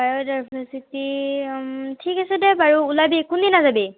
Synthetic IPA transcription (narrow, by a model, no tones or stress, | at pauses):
bajɔdajbʱəsiti | tʰikasɛdɛbaɹuulabikundinːazabi